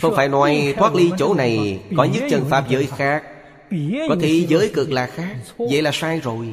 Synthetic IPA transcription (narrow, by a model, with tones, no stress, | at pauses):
fə˧wŋ͡mfaː˧˩jnɔ˨˦jt̪ʰwaː˦˥k̚li˧t͡ɕo˧˦na˨˩jkɔ˨˦ɲɨ̰˧˥ŋt͡ɕə˨˩nfaː˦˥p̚zəː˨˦jxaː˦˥k̚ | kɔ˨˦t̪ʰi˧˩zəː˨˦jkɨ˨˩ək̚laː˨˩xaː˦˥k̚zə̰˧˨jlaː˨˩saː˧jzo˨˩j